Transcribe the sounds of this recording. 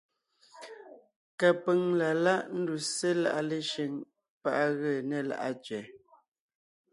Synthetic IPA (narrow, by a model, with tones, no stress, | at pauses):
ka˨pə˨ŋla˨la˦ʔn̩˦du˨se˦la̰˦˨ʔa˦˨le˦ʃe˦ŋ | pa˦ʔɣə˦˨nɛ˨la̰˨ʔa˦t͡ʃɥɛ˨